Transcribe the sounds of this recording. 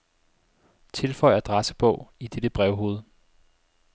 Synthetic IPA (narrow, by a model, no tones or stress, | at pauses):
t͡sʰe̝lfɒ̽ɪɐd̥ʁasə̥b̥ɔ̽ʊ̰id̥eɾ̥əb̥ʁɛʊɦo̝ːð̞̩ˠ